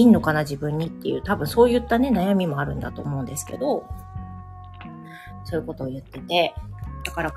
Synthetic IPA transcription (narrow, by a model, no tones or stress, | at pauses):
inːo̞kanad͡ʑibɯ̟̃ɲ̟ːit̪ːe̞jɯ̟ːt̪abɯ̟̃ɰ̃so̞ːjɯ̟t̪ːane̞najamʲimo̞aɾɯ̟̃nd̪a̰t̪o̞̰ːmo̞ɯ̟̃nd̪e̞sɨ̥ke̞̰d̪o̞ | so̞ːɯ̟ko̞t̪o̞ːjɯ̟t̪ːe̞t̪e̞d̪̥akaɾa